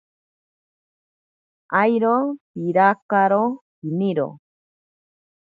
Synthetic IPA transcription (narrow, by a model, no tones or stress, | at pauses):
ʔajɾopiɾakaɾohiniɾo̰